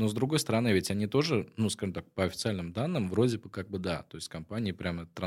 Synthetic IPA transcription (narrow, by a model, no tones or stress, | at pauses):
no̞zd̪ɾʊɡo̞jst̪əɾɐnɨvʲɪtʲɐnʲit̪o̞ʐɨnuskaʐɨmt̪ak̚pəɐfʲɪ̥t̪sɨalʲnɨmd̪anːɨmvɾo̞dʲɪbɨkaɡ̚bɨd̪at̪o̞ɪsʲtʲkɐmpanʲɪːpɾʲamɛt̪ɾɐ